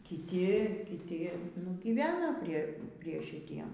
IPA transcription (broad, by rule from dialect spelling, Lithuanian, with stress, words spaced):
kʲɪˈtʲɪ kʲɪˈtʲɪ nʊ ˈɡʲiːʋʲɛnɐ ˈpʲrʲiɛ pʲrʲiɛ ʃʲɪˈtʲiɛm